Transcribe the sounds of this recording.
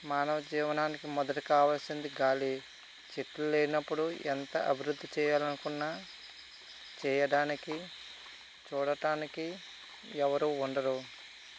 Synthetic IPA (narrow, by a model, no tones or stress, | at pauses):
maːnɐʋɐd͡ʒiːʋɐnaːnikimɔd̪ɐʈi̥kaːʋaːlsind̪iɡaːli | t͡ʃeʈluleːinɐpːuɽuɛ̰nt̪ɐʔɐ̰bʱiɾud̪ʱːit͡ʃɛːjaːlɐnukunːaː | t͡ʃɛːjɐɽaːniki | t͡ʃuːɽɐɽaːniki | ɛʋɐɾuːɳɖɐɾu